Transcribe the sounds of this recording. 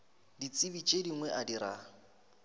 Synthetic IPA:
dit͡sʼibit͡ʃʼediŋwɛʔadiɾa

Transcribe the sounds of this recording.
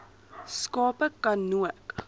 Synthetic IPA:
skɑːpəkɐnːuət

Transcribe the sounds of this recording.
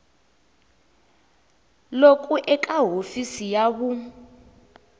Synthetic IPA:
lok̬ʼuʔɛkʼaɦofisijaβu

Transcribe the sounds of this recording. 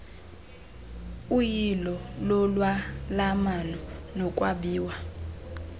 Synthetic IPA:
ujilɔlɔlwalamanɔnɔkʼwaɓiːwa

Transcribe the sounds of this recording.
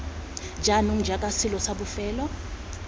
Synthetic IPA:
d͡ʒʱanum̩d͡ʒʱakʼasilɔsaɓufɛːlɔ

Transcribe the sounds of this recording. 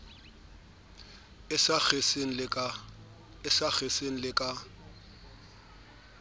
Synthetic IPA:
ɪsak͡xeseŋ̩lɪkʼa | ɪsak͡xeseŋ̩lɪkʼa

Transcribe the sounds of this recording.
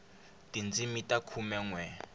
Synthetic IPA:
tind͡zimitʼakʰumɛŋwɛ

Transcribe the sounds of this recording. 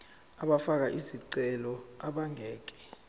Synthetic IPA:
aɓafak̬aʔiziǀɛlɔaɓaŋʱɛːk̬ɛ̥

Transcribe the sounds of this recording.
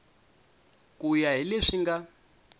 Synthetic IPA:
kʼujaɦileʂiŋɡa

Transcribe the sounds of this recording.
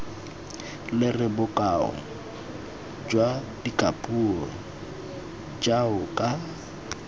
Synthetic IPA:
lɪrɪbʊkʼaʊ̰ | d͡ʒwa | dikʼapʼurɔ | d͡ʒaʊkʼa

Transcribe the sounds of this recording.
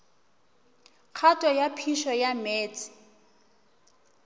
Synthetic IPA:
q͡χʰatʼɔjapʰiʃɔjamɛːt͡sʼɪ̥

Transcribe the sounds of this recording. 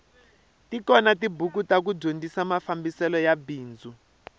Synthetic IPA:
tikɔnatibuk̬utak̬uɟondʱisamafambisɛlɔjabiːnd͡zʱu

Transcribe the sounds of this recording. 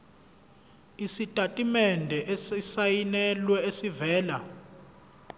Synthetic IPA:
isitʼatʼimɛndʱɛʔɛisajinɛlwɛesivɛːla̰

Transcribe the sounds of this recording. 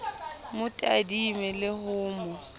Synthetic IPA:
mʊtʼa̰dimɛlɪhʊːmɔ

